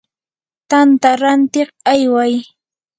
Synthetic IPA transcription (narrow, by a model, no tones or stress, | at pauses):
t̪ant̪aɾant̪ɪqajwaj